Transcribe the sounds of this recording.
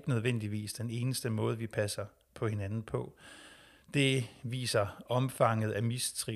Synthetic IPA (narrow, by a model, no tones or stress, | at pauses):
ɡ̥ənøð̞ˠʋen̰d̥iʋḭːsd̥ene̝ːnəsd̥əmɔ̽ːð̞̩ˠʋipʰæsɐ | pʰɒ̽he̝nænn̩pʰɒ̽ | d̥e̝ʋḭːsɐɒ̽mfɑ̈ŋ̰ð̩ˠæmist͡sʰʁi